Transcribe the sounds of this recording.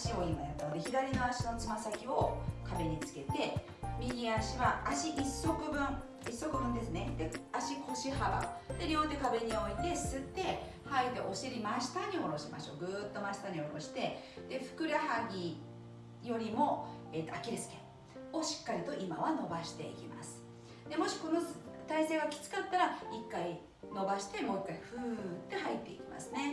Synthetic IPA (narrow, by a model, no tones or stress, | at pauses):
ɕio̞imaat̪aod̪e̞çid̪aɾʲino̞aɕino̞t͡sɨmasakʲio̞kabe̞ɲ̟it͡sɨ̥ke̞t̪e̞ | mʲiɡʲiaɕiβaːɕiʔisːo̞kɯ̟bɯ̟̃ɴ | isːo̞kɯ̟bɯ̟̃nd̪e̞sɨne̞d̪̥e̞aɕikʰo̞ɕihaba̰d̪e̞ɾʲjo̞ːt̪e̞kabe̞ɲ̟io̞it̪e̞sɨt̪ːe̞ | hait̪e̞ʔo̞ɕiɾʲimaɕi̥t̪aɲ̟io̞ɾo̞ɕima̰ɕo̞̰ːɡɯ̟ːt̪ːo̞maɕi̥t̪aɲ̟ioɾo̞̰ɕi̥t̪e̞ | d̪̥e̞ɸɯ̟̥kɯ̟ɾaɦaɡʲi | jo̞ɾʲimo̞e̞t̪ːoakʲiɾʲasɨ̥kḛ̃ | o̞ɕi̥kːaɾʲit̪o̞ʔimaβano̞baɕi̥t̪e̞ḭkʲima̰sɨ̥ | d̪e̞mo̞ɕi̥ko̞no̞t̪aise̞ːɡakʲi̥t͡sɨ̥kat̪ːaɾaikːai | no̞baɕi̥t̪e̞mo̞ːikːaiɸɯ̟t̪ːe̞ɦait̪ːe̞ikʲi̥ma̰sɨne̞